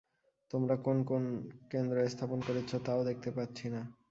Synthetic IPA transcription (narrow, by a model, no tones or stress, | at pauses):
t̪omɾakonkonkend̪ɾoest̪ʰaponkoɾet͡ɕʰot̪aod̪ek̚ʰt̪epatːɕʰina